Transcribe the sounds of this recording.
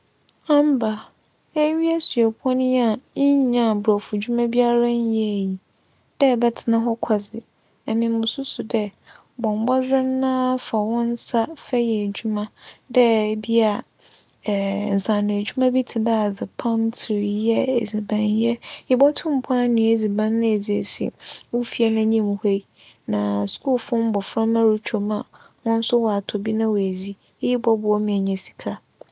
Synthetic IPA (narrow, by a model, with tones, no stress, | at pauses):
ã˦m˦ba˨ | ɛ˦ɥi˦ɛ˦su˨ɛ˨pʰɔ̃˦nɪ̃˦a˨˦ɲã˨bɔ˨fu˨d͡ʑu˦mã˦bi˦a˦ɾa˦n˦jɛ˦˨ji˨ | d̥ɛ˦˨bɛ˦tʰɪ˨nã˦ɦɔ˦kʰa˨zɪ˨ | ɛ˨mĩ˨m̩˦˨ʊ̃˨su˦sʊ˨dɛ˦ | bɔ̃˨m˨bɔ˦zɪ˦n˦nãː˦fa˨wɔ̃˦n̩˦sa˦fɛ˦jɛ˨d͡ʑu˦mã˦dɛ˦˨bi˦a˨ | n̩˨sã˨nɪ̃˨e˨d͡ʑᶣu˦mã˦bi˦tʰɪ˨da˦a˨d͡zɪ˨pʰã˦mtʰɪ˨ɾjɛ˦ḛ˨zi˨bã˨njɛ˦jɪ˦bɔ˦tʰʊ̃˦m˨pʰʊ̃˦a˦nũ˨e˨zi˨bã˦nːɪ̃˦e˨d͡zi˨e˨sḭ˨wʊ̃˦fi˦ɛ˦nã˦ɲĩ˦m˨he˦i˦ | nã˨skʰu˦lfʊ̃˦m̩˦bɔ˨fɾã˦mã˦ɾu˦t͡ɕʰᶣo˨mã˦ | wʊ̃˦n̩˦sʊ˦wɔ˨a˨tʰɔ˨bi˦nã˦wæ˨zi˦ | ji˦bɔ˦bʊ˨ɔ˦mɪ̃˨ɲɛ̃˨si̥˨kʰa˦